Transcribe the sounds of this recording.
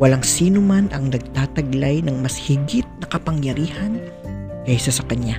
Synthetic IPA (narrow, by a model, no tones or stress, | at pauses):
wɐlaŋsiːnʊmanʔɐŋnɐɡ̚t̪aːt̪ɐɡlajnɐŋmɐshɪɡɪt̪̚nɐkɐpɐŋjɐɾiːhɐn | kɐɪsasɐkɐɲa